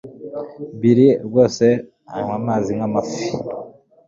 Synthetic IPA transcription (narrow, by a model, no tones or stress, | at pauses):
biɾibɡo̞ːse̞ | a̰imwamaːziŋamafi